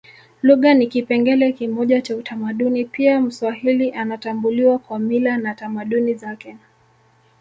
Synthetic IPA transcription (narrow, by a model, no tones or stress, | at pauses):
luɠanikipɛŋɡɛlɛkimɔʄat͡ʃautamaɗunipiam̩swahiliʔanatambuliwakwamilanatamaɗunizakɛ